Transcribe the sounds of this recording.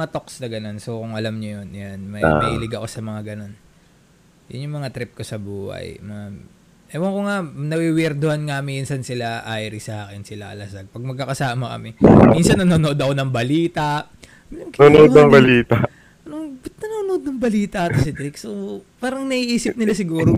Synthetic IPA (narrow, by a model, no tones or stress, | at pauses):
ŋat̪o̞ksnɐɡɐno̞nsokʊŋʔɐlamɲojonjanmɐmɐ̰ʔilɪɡɐko̞sɐmɐŋaɡɐno̞n | jʊ̰njʊŋmɐŋat̪ɾɪp̚ko̞sɐbuːhɐ̰jmɐŋam | ɛwɐŋkoŋanɐwiwiɾd̪ohanŋaminsɐnsɪlaʔajɾɪsɐʔaːkɪnsɪlaʔɐ̰lɐsɐɡ̚pɐɡ̚mɐɡ̚kːɐkɐsaːmɐkɐ̰mɪminsɐnːɐnonoʔod̪ɐkonɐŋbɐliːt̪ɐʔ | okonood̪nɐŋbɐliːt̪a | noŋnɐnoːnood̪̚nɐŋbɐliːt̪ɐʔt̪ɐsɪd̪ɾɪksopaːɾɐŋnɐʔiʔiːsɪp̚nɪlasɪɡuːɾo